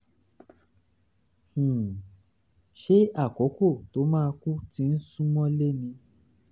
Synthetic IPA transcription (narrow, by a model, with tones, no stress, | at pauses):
h̩˨ | ʃe˦a˦˨kɔ˨˦ko˦˨to˨˦mãː˦˧ku˦tĩ˦n̩˦sũ˦mɔ̃˦le˦nĩ˧